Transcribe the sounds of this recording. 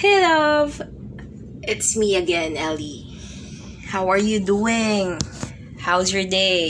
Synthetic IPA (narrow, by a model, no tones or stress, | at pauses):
hɪɾʌv | ʔɪtsmiəɡɛ̃nɛli | hawəɹjud̪uɪ̃ŋ | haʊzjɔɹd̪eɪ